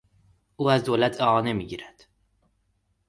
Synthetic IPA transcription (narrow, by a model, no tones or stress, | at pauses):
ʔuːæzd̪oːlæt̪ʰeʔɒːne̞miːɟiːɾæd̪̥